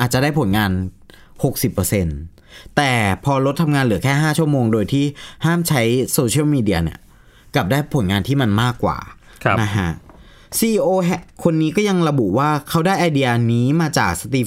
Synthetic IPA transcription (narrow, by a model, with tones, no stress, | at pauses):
ʔaː˨˩t͡ɕa˨˩daː˥˩jpʰo˩˦nŋaː˧n | ho˨˩k̚si˨˩pːəː˧se˧n | t̪ɛː˨˩pʰɔː˧lo˦˥t̪ʰːa˧mŋaː˧nlɯ˩˦ɐkʰɛː˥˩ɦaː˥˩t͡ɕʰu˥˩ɐmoː˧ŋdoː˧jt̪ʰiː˥˩haː˥˩mt͡ɕʰa˦˥jsoː˧t͡ɕʰi˥˩˨wmiː˧di˧ɐnḭ˧˩ɐ | ka˨˩p̚daː˥˩jpʰo˩˦nŋaː˧nt̪ʰiː˥˩ma˧nmaː˥˩kːwa̰ː˨˩˧ | na˦˥kʰa˦˥ʔ | siː˧iː˧ʔoː˧ɦɛ˧˩kʰo˧nːiː˦˥kɔː˥˩ja˧ŋɾa˧bu˨˩waː˥˩kʰa˦˥wdaː˥˩jʔa˧jdi˧a˧niː˦˥maː˧t͡ɕaː˨˩k̚sa˧t̪iː˧˩